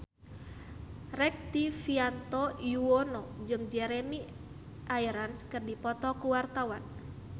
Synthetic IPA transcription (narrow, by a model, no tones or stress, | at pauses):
rɛk̚t̪ifiant̪ɔjuɔnɔd͡ʒɨŋd͡ʒɛɾɛmi | ʔaiɾanskɨrdipɔt̪ɔkuwart̪awan